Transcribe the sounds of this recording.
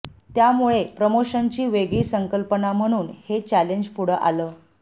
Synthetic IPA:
t̪jamuɭepɾəmoɕənt͡ɕiːʋeɡɭiːsəŋkəlpənam̤əɽ̃uːnhet͡ɕæleɲd͡ʑpuɽ̤əʔa̰ləː

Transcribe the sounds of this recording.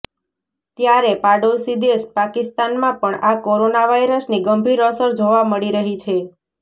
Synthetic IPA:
t̪jaɾepaɖosid̪espakist̪anmãpəɳakoɾonaʋaiɾəsniɡəmbʱiɾəsəɾd͡ʒoʋaməɭiɾəɦit͡ʃʰe

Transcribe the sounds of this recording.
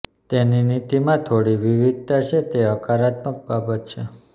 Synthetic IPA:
t̪eninit̪imãt̪ʰoɽiʋiʋid̪̚t̪at͡ʃʰet̪eəkaɾat̪mək̚babət̪̚t͡ʃʰe

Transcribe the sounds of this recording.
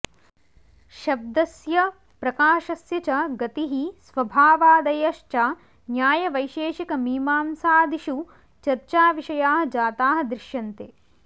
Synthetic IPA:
ʃɐb̚d̪ɐsjɐ | pɾɐkaːʃɐsjɐt͡ʃɐɡɐt̪iɦisʋɐbʱaːʋaːd̪ɐjɐʃt͡ʃaː | njaːjɐʋɐjʃeːʃikɐmiːmaːmsaːd̪ʱiʃu | t͡ʃɐɾt͡ʃaːʋiʃɐjaːɦɐ̆d͡ʒaːt̪aːɦɐ̆d̪ɾɪʃjɐnt̪eː

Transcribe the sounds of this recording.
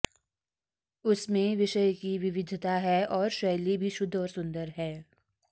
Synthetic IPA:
ʊsmẽʋɪʃəjkiʋɪʋɪd̪ʱt̪aɦɛɔːɾʃɐjlibʱiʃʊd̪ʱːɔːɾsʊ̃nd̪əɾɦɛː

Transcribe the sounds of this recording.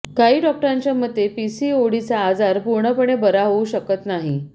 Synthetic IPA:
kaɦiːɖɔk̚ʈəɾaɲt͡ɕjaməd̪ʱːepisioɽit͡saːd͡zaɾpuɾɳəpəɳ̃ebəɾaɦouɕəkət̪naɦi

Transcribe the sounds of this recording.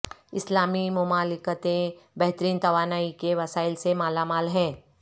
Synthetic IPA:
ɪslaːmimʊmaːlɪkət̪ẽbɛɦt̪əɾiːnt̪ɐʋaːnaːikeʋɐsaːɪlsemaːlamaːlɦɛ̃ː

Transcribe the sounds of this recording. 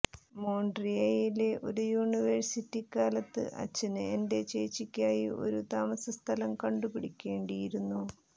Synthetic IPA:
mo̞ːɳɖriɐjileʔo̞̰ɾujuːniʋeɻsitːikaːlɐt̪ːɨ̰ʔɐ̰t͡ɕːɐnɨende̞t͡ɕeːt͡ɕikʲːaːjio̞̰ɾut̪aːmɐsɐst̪ʰɐlɐmkɐɳɖupiɽikʲːe̞ːɳɖijiɾunːu

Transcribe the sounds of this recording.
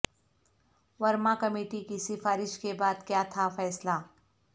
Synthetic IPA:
ʋɐɾmãkɐmeːʈikisɪfaːɾɪʃkebaːd̪kjaːt̪ʰafɛːslaː

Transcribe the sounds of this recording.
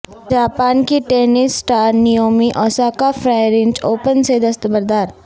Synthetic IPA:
d͡ʒaːpaːnkiʈeːnɪsːʈaːɾnijoːmiʔɔːsaːkafɾaːɪɾɪ̃nd͡ʒoːpənsed̪ɐst̪əbəɾd̪aːɾ

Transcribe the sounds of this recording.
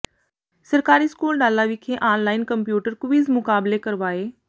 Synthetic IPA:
sɐɾkaːɾiskuːlɗaːlaːʋikʰeːʔaːnlaːɪnkɐmpjuːʈəɾkʊʋizmʊkaːblekɐɾʋaːɦeː

